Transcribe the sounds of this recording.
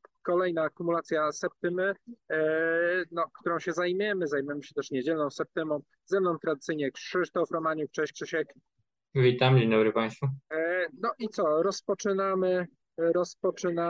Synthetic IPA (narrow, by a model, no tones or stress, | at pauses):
kɔlɛjnaːkumulat̪sʲjasɛp̚t̪ɘmɘ | nɔkt̪uɾɔ̃w̃ɕɛzajmʲɛmɘzajmujɛmɘɕɛt̪ɛʂɲɛd͡ʑɛlnɔ̃w̃sɛp̚t̪ɘmɔ̃w̃ | zɛmnɔ̃w̃t̪ɾad̪ɘt̪sɘjɲɛkʂɘʂt̪ɔfɾɔmaɲukt͡ʂɛɕkʂɘɕɛk | vʲit̪amd͡ʑeɲd̪ɔbɾɘpaj̃st̪funɔʔit̪sɔɾɔspɔt͡ʂɘnamɘ | ɾɔspɔt͡ʂɘna